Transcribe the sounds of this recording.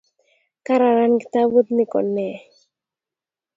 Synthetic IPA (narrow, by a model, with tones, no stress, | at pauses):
ka˦ɾa˨ɾa˦nki̥˨t̪a˦bu˦t̪nɪ˦kɔ̰˨nɛ˨